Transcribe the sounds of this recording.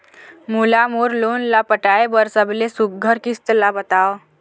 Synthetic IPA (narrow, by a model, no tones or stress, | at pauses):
mulamoɾlonlapəʈajbəɾsəblesuk̚ɡʱəɾkist̪labət̪aʋ